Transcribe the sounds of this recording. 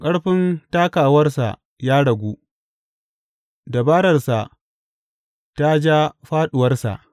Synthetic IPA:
kʼɐ˦ɽɸɪ˦ntaː˦kaː˨wɐ˦rsa̰˨ʔ | jaː˦ɽɐ˨ɡʷuː˦ | da˨baː˦ɽɐ˨rsa˨ʔ | ta˦d͡ʒaː˦ɸaː˦ɗʊ˨wɐ˦rsa̰˨ʔ

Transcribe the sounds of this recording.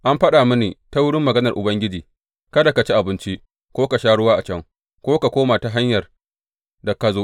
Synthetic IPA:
ʔa˦mɸɐ˦ɗaː˨mʊ˦niː˨ta˦wʊ˦ɽɪ˦mːɐ˨ɡɐ˦nɐ˨rʔʊ˨bɐ˦ŋɡʲɪ˦d͡ʒiː˨ | kɐ˦da˨ka˨t͡ʃi˦ʔa˨bɪ˦nt͡ʃi˦ | kʷoː˦ka˨ʃaː˦ɽʊ˦waː˦ʔa˨t͡ʃɐ˦ŋ | kʷoː˦ka˨kʷoː˦maː˨ta˨ɦa˦ɲjɐ˨r | dɐ˨kɐ˦zoː˦ʔ

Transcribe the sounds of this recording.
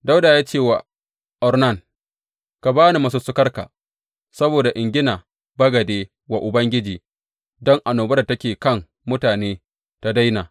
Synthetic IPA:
da˦wdaː˨jaː˦t͡ʃeː˦˨wa˨ | ʔɔ˨ɾnɐ˦˨ŋ | ka˨baː˦ni˨ma˦s̬u˦sʊ˦kɐ˦rka̰˨ | sɐ˦boː˨da˨ʔɪ˨ŋɡʲɪ˦naː˨ | bɐ˦ɡɐ˨deː˦ | wa˨ʔʊ˨bɐ˦ŋɡʲɪ˦d͡ʒiː˨ | dɔ˦ŋʔa˨noː˨bɐ˦ɾda˨tɐ˦kʲeː˨kɐ˦˨ŋ | mʊ˦taː˨neː˦ | ta˦da˦jnaː˨

